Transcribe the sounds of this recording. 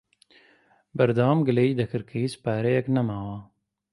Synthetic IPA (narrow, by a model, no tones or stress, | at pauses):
bɐɾd̪ɑːmɡəlɐid̪ɐkʰəɾkʰɐispaːɾejɐknɐmaːwaː